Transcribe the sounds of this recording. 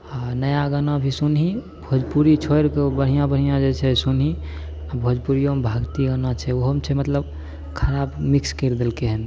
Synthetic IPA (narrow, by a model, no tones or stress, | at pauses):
anəjaɡənabʱisunɦi | bʱod͡ʒpuɾit͡ʃʰojɾkebəɽ̤ijãbəɽ̤ijãd͡ʒet͡ʃʰɛsunɦi | abʱod͡ʒpuɾijoəmbʱaɡt̪iɡənat͡ʃʰɛoɦəmt͡ʃʰɛmət̪ləb | kʰəɾabmikskeɾd̪elkeɦɛn